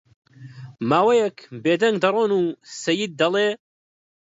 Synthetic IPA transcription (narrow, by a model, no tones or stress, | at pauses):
maːwɐjɛkbeːd̪ɐŋɡd̪ɐrˤoːnuːsɐjid̪̚ːɐlˠeː